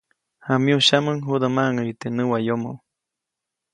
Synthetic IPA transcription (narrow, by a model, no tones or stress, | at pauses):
hamiuʃaməŋɦud̪amaŋəjt̪enɨwajomow